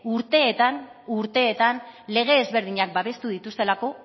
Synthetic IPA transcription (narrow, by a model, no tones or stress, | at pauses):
uɾt̪e̞ːt̪anuɾt̪e̞ːt̪anle̞ɣ̞e̞ːzβe̞ɾð̞iɲak̚baβe̞st̪uðit̪ust̪e̞lako̞